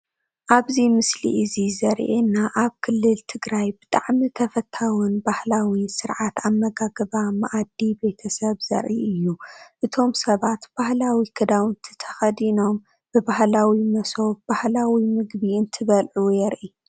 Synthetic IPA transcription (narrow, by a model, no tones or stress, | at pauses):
ʔaβzimɨslḭʔɨzizɐɾʔenːaʔaβkʰɨlːɨlt̪ʰɨɡɾajbɨt̪ʼaʕmit̪ʰɐfɐt̪ʰawunbahlawisɨɾʕat̪amːɐɡaɡɐβama̰ʔad̪ːibe̞t̪ʰɐsɐβzɐ̰ɾʔḭʔɨjːuʔɨt̪ʰo̞msɐβat̪b̥ahlawikʰɐd̪awnt̪ʰɨ̥t̪ʰɐ̥xɐd̪ino̞m | b̥ɨbahlawimɐso̞bbahlawimɨɡbiɨnt̪ʰɨβɐlʕujɛɾʔi